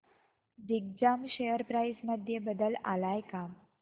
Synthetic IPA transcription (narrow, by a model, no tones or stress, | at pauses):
diɡ̚d͡ʑamɕejəɾpɾajsməd̪ʱjebəd̪əla̰lajkam